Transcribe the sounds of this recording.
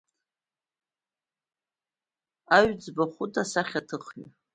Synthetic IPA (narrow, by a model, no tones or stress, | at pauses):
aɥd͡zbaχʷʊtʰʼasaχʲatʰɨχɥi